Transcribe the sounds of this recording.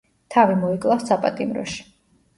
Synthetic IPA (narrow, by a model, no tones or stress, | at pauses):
t̪ʰavimɔikʼlˠassapʼat̪ʼimɾɔ̰ʃi̥